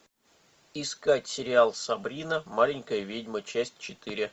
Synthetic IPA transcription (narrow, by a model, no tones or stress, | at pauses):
ɪskatʲsʲɪɾʲɪalˠsɐbɾʲinəmalʲɪnʲkəjəvʲedʲmət͡ɕæsʲt̚ʲt͡ɕɪt̪ɨɾʲɪ